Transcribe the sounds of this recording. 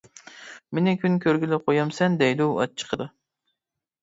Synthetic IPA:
menɪkʰʲynkʲʰøɾɡʲylɪqʰojɑmsɛnd̪ɛjluwɑ̰t͡ʃʰə̥qʰəd̪ɨ

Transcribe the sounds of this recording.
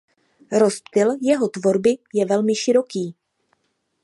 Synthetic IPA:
ɾo̞spt̪ɪljɛɦo̞t̪vo̞ɾbɪjɛvɛlmɪʃɪɾo̞kiː

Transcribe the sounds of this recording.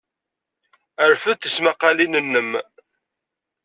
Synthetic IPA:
əɾfəðθəsmaqːɑlinənːəm

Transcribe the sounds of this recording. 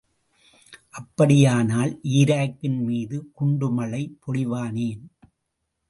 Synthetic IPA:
ʔɐpːɐɽɪjaːnaːlʔiːɾaːkːɪnmiːðɯkʊɳɖɯmɐlɐɪpɔɽɪʋaːneːn

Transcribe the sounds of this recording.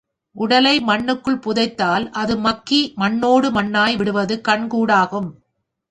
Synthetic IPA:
ʔʊɽɐlɐɪmɐɳːɯkːɯɭpʊðɐɪt̪ːaːlʔɐðɯmɐkːimɐɳːoːɽɯmɐɳːaːjʋɪɽɯʋɐðɯkɐɳkuːɽaːɣɯm

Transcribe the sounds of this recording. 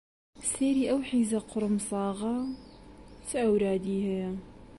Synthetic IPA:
seːɾiːʔɐwħiːzɐqʰʊɾmsˤɑːɣɐ | t͡sɨʔɐwɾaːd̪iːhɐjɐ

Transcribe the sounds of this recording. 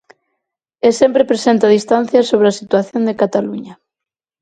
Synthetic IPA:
elsempɾepɾesent̪aðist̪an̟θjasoβ̞ɾeasit̪waθjond̪ekat̪aluɲɐ

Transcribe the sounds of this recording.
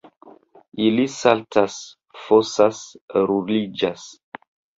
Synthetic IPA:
ilisaltas | fosasɾulid͡ʒas

